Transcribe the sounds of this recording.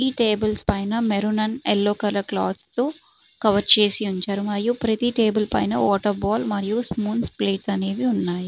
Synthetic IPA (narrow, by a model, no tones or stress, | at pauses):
iːʈeːbɐlspɐjnɐmeɾunɐnɛlːoːkɐlɐkla̰ːd̪st̪oː | kɐʋɐɾt͡ʃe̞ːsiuɲt͡ʃaːɾumɐɾijupɾɐt̪iʈe̞ːbɐlpɐ̰jnɐ̰ʋɔːʈɐɾbaːlmɐɾijusmuːnspleːʈsɐne̞ːd̪iunːaːji